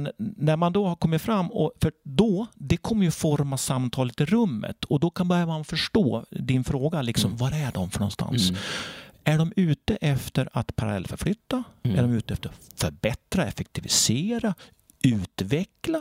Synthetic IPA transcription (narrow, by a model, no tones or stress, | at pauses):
nnæɾmand̪ɔhaɾkʰɔmːɪt̪fɾamːɔfœd̪ɔd̪ɛkʰɔmːəɾjɵfɔɾmasamːt̪ʰɑːlət̪ɪɾɵmːə̰t̪ʰɔd̪ɔkʰanbœɾjavɾmanfœʂʈoːd̪ɪnfɾoːɡalɪksɔmvaɾæɖɔmfœɳɔnst̪a̰nss | æɖɔmʉ̟ːt̪əʔɛft̪əɾat̪pʰaɾalɛ̰lːfœɾflʏt̪ːaæɖɔmʉ̟ːt̪əɛft̪əɾafœɾbɛt̪ɾaɛfɛk̚t̪ʰɪvɪ̰seːɾa | ʉ̟ːt̪vɛkla